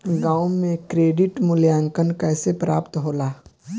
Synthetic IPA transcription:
ɡãːʊmẽkɾeːɖɪʈmʊljaːŋkənkɛːsepɾa̰ːpt̪ɦoːlaː

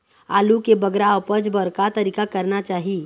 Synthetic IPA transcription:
a̰lukebəɡɾapəd͡ʒbəɾkat̪əɾiːkakəɾnat͡ʃaɦi

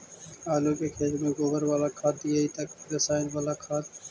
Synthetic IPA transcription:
aːloːkeːkʰeːd͡ʒmẽːɡoːbəɾʋaːlaːkʰaːt̪ieiːt̪ɐk̚ɾəsaːɪnʋaːlaːkʰaːt̪̚

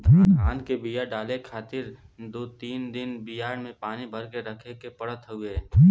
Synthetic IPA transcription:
d̪ʱaaːnkebijaɖaːlekʰaːt̪ɪɾ | d̪oːt̪iːnd̪ɪnbɪjaːɽmẽpaːnibʱɐɾkeɾəkʰekepəɽət̪ɦʊeː

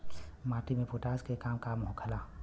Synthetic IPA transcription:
maːʈimẽpoːʈaːskekaːmkamɦõkʰəlaː

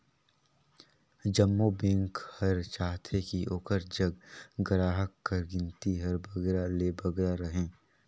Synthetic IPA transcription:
d͡ʒəmːobẽːŋkhɐɾt͡ʃaːɦt̪ʰekiʔoːkəɾd͡ʒɐɡɡɐɾaːɦəkːɐɾɡɪ̃nt̪iɦɐɾbʱɐɡɾaleːbɐɡɾaɾɐɦẽː

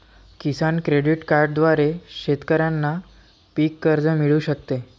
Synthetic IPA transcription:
kisankɾeɽiʈkaɾɖd̪ʋaɾeɕet̪kəɾjanːa | pikːəɾd͡zəmiɭuːɕəkt̪e

